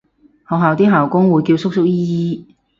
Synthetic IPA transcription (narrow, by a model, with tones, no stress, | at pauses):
hɔː˨wɦaː˨wt̪iː˥ɦaː˨˩wkʊ˥ŋwuː˨˧jkiː˧wsʊ˥k̚sʊ˥k̚jiː˥jiː˥